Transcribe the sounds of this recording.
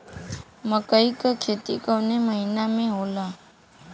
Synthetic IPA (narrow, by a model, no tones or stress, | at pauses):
məkəikəkʰet̪ikəneməɦinamẽɦolã